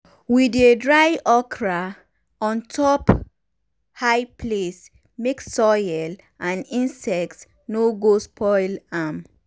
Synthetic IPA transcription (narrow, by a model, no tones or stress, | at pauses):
widedɹajʔɔkʰɹa | ɔ̃ntʰɔp | haɪples | meksɔjɛl | ãnĩnsɛk̚ts | noɡospʰɔɪlam